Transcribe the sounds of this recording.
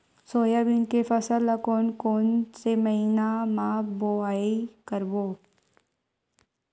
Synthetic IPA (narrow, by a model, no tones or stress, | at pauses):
soːjabinkefɐsəlɐkoːnkoːnsemɐɦinamaboaːikəɾboː